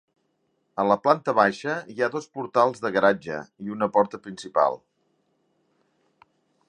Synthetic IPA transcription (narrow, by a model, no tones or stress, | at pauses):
ələplant̪əβaʃəiaðospuɾt̪alˠzðəɣəɾad͡ʒə̰iunəpɔɾt̪əpɾinsipa̰lˠ